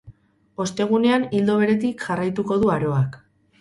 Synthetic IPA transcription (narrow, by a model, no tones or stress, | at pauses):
o̞st̪e̞ɣ̞une̞anild̪o̞βe̞ɾe̞t̪ikʝarajt̪uko̞ð̞uaɾo̞ak